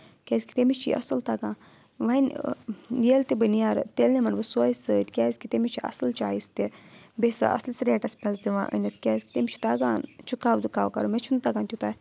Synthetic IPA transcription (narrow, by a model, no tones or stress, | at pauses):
kʲɛːzʲkʲi̥t̪emit͡ʃʰḭʔɐ̰sɐlt̪aːɡãː | ʋɐn | jeːlt̪ibənjaːɾt̪eːlnemɐnbɨsoːisət̪ʲkʲɛːzʲkit̪emit͡ʃʰiʔɐ̰sɐlt͡ʃaːist̪ibesɨ̰ʔɐ̰slsɾeːʈɐspʲɐzd̪iʋã̰ːʔə̰nʲɐt̪ʰkʲɛːzt̪emit͡ʃʰu̥t̪aːɡaːnt͡ʃʰukaːbd̪ɨkaːwkɐ̰ɾumet͡ʃʰunt̪aɡãːnt̪ʲut̪aː